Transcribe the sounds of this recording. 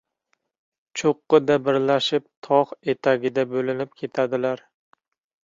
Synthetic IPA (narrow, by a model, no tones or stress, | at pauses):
t͡ʃʰoqːɨd̪abɪɾlaʃɪp̚t̪ʰɒχe̞t̪ʰaɡʲɪd̪abɵlɪnɪp̚kʲʰe̞t̪ʰad̪ɪlaɾ